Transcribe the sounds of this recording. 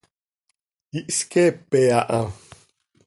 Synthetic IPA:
iʔskɛpɛaʔã

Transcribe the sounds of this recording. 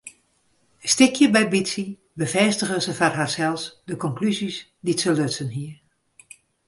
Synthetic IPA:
stɪkʰjəbɛjbitsi | bəvɛstəɣəzəfarɦaːrsɛlˠsdəkɔŋklyzis | ditsəløtsənɦiər

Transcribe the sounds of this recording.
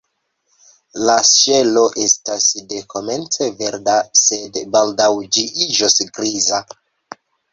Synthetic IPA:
lasʃe̞lo̞ʔe̞stasde̞kʰo̞me̞nt͡se̞ve̞ɾdase̞dbaldawd͡ʒiid͡ʒosɡɾiza

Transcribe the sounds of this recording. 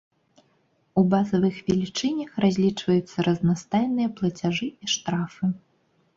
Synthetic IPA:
ubazɐvɨxvʲɛlʲit͡ʂɨnʲɐxrazʲlʲit͡ʂvɐjut̪sːɐɾɐznast̪ajnɨjɐplˠɐt͡sʲaʐɨiʂt̪ɾafɨ

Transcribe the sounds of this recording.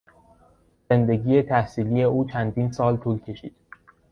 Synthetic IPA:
ze̞nd̪e̞ɟiːje̞t̪ʰæhsiːliːje̞uːt͡ʃʰænd̪iːnsɒːlt̪ʰuːlcʰe̞ʃḭːd̪̥

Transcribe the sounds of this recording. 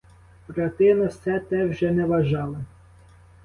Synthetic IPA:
pɾɐt̪ɪnɐwsɛt̪ɛwʒɛnɛʋɐʒɑlˠɐ

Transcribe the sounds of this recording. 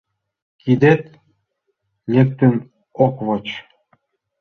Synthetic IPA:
kʰid̪et̪ | nʲek̚t̪øn | okβot͡ɕ

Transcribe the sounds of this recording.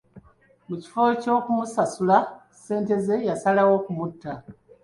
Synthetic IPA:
muci̥foco̞ːkumusasula | se̞ːnte̞ze̞jasalawo̞kumutːa

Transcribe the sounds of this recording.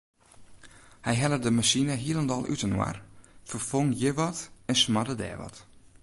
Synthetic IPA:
hɛjɦɛlədəmasinəɦiəlˠəndɔlˠʔytənwa̰rfərfoŋjɪʋɔtɛnsmadədɛ̰ːʋɔ̰t

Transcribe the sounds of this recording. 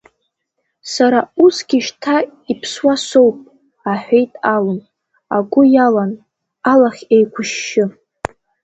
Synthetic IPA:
saɾausɡʲiʃtʰaipʰswaso̞wpʼ | aħᶣʷejtʼalɨn | aɡʷʊjalan | alaχʲejkʷʰʊʃːɪ

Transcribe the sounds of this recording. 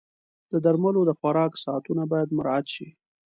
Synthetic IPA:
d̪̥əd̪aɾmalod̪əxwaɾɑksɑat̪unabɑjad̪mʊɾɑat̪ʃi

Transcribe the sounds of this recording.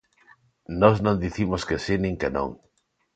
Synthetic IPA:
nɔznõnd̪iθimoskesinĩŋkenõ̰ŋ

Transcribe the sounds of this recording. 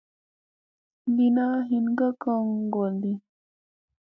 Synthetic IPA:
dinaɦinɡakaŋɡold̪i

